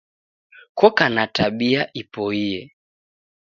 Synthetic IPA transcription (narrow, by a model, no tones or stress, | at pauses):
kɔkanataɓiaʔipɔiɛ